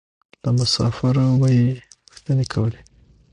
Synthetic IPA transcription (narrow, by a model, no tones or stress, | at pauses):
lamʊsɑ̰faɾamajepəxt̪anekʰawəle